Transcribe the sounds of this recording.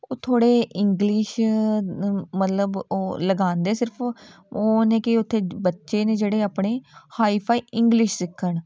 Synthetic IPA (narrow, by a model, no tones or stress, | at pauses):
oːt̪ʰoːɽeːʔɪŋɡlɪʃ | mət̪ləboːləɡãːnd̪eːsɪɾpʰ | oːnẽːkɪʊt̪ʰːeːbətːʃeːneːd͡ʒeːɽeːaːpɳeːhaːiːpʰaːiːʔɪŋɡlɪʃsɪkʰːəɳ